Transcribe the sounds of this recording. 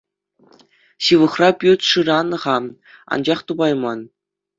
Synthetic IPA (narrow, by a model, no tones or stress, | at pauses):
ɕɯʋɤ̆χrɑpʲyt̪ʂɯɾɑnɤ̆ʁɑ | ɑ̰nd͡ʑɑχt̪ubɑjmɑn